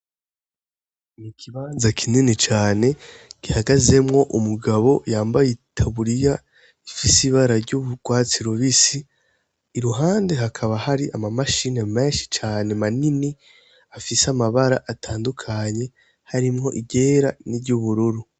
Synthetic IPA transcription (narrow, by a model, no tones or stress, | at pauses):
nikʰiβaːnzakʰininit͡ʃaːne̞ɡ̥ihaɡaze̞mŋo̞ʔumuɡaβo̞jaːmbajitʰaβuɾija | ifisiβaɾaɾɟuβuɡ̥waːt͡siɾo̞βisiː | ɾuɦaːnde̞ɦakʰaβahaɾiʔamamaʃineme̞ːnʃi̥t͡ʃaːne̞manini | afisamaβaɾaʔatʰaːndukʰaɲe̞ | haɾimŋo̞̰ʔiɟe̞ːɾaniɟuβuɾuɾu